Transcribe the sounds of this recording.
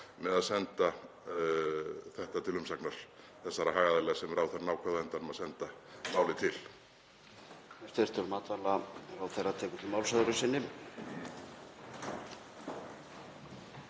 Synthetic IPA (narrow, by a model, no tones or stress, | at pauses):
mɛðaðsɛnt̪a | θɛht̪at̪ʰɪlʏmsaknaɾ̥ | θɛsːaɾaɦaːjɣaðalɛːɣasɛmɛɾawθɛɾanaːwkʰvɛðaɛnt̪anʏmaðsɛnt̪a | maːwlɪt̪ʰɪl | ɛst̪eɾ̥t̪ɔɾmaːt̪valaɾawθejraðt̪ʰɛːkʏt̪ʰɪlmawlsaðʏɾʏsɪnːɪ